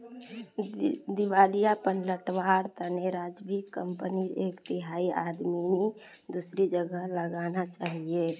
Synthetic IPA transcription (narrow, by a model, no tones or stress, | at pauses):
d̪iʋalijapənləʈʋaɾt̪əneɾad͡ʒbikəmpəniekt̪ɪɦaiʔad̪mime | d̪usɾid͡ʒəɡəɦləɡanat͡ʃaːɦie